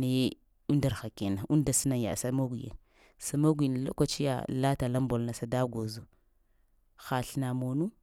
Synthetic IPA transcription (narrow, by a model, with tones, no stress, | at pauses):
ne˨˦ | u˦nda˨ɾxa˨ke˨na˨u˦nda˨si˦na˦ja̰˨sa˨˦mo˦ɡʷi˨ja̰˨n | sa˨mo˦ɡʷi˨n˨lo̰˦kʷa˦t͡ʃi˦ja̰˨la˦ta˨la˦mbo˨lna˨sa˨da˦ɡo˨zo˨ | xa˨ɬna˨mo˨nu˦